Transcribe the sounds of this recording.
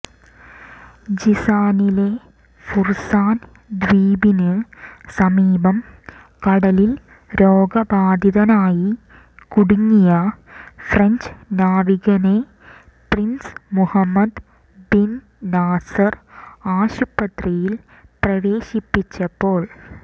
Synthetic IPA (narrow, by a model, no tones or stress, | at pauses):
d͡ʑisaːnile̞ | fursaːn | d̪ʋiːbinɨsɐmiːbɐm | kɐɽɐlil | ɾoːɡɐbaːd̪ʱiðɐnaːji | kuɽuŋːijɐfrɐɲd͡ʑnaːriɣɐne | prinsmuhɐmːɐd̪ | bin | naːsɐraːɕupːɐt̪rijil | prɐʋeːɕipːit͡ɕːɐpːo̞ːɭ